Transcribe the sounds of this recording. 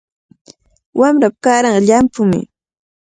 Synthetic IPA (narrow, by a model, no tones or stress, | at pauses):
wamɾap̚kaɾɑɴɢɑʎampʊmɪ̰